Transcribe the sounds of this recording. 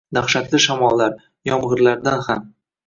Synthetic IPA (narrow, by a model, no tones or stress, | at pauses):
d̪aχʃat̪lɪʃamɒlˠːaɾ | jɒmʁɨɾlaɾd̪anham